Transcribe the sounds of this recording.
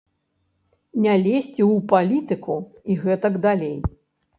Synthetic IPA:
nʲalʲesʲt͡sʲiwpalʲit̪ɨku | iɣɛt̪ɐɡd̪alʲej

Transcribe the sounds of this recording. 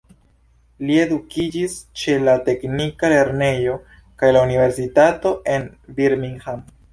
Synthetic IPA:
lie̞dukid͡ʒist͡ʃe̞late̞knikale̞ɾne̞jo̞ | kajlaunive̞ɾs̬itato̞ʔe̞nbiɾmiŋham

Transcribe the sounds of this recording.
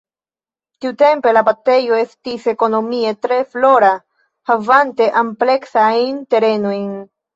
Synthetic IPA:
tiute̞mpe̞labatejo̞e̞stise̞ko̞no̞mietɾe̞flo̞ɾa | havante̞ʔample̞ksajnte̞ɾe̞no̞jn

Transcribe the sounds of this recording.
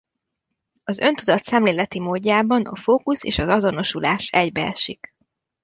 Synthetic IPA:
ɒzø̞̰nt̪ud̪ɒt̪sɛmleːlɛt̪imoːɟːaːbɒnɒ̰foːkusḛːʃɒzɒzo̞no̞ʃulaːʃɛɟbɛɛ̰ʃik

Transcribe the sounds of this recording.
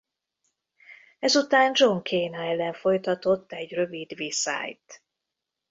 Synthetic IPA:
ɛzut̪aːnd͡ʒo̞ŋkʰeːnaɛlɛɱfo̞jt̪ɒt̪o̞t̪ːɛɟrø̞vid̪ʋisa̰ːjt̪

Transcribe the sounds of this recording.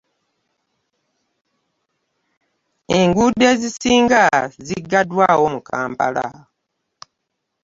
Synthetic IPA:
e̞ŋɡude̞ːzisiːŋɡaziɡadwawomukʰaːmpa̰la̰

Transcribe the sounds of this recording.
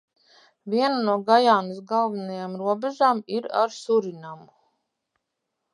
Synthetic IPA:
viɛnanuɔɡajaːnisɡalˠvanajamɾuɔbɛʒaːmiɾa̰ɾsuɾinamu

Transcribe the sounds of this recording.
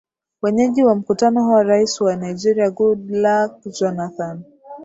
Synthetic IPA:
wɛɲɛʄiwam̩kutanɔɦuwaɾaisiwanajd͡ʒɛɾiaɡudlak̚d͡ʒɔnaθan

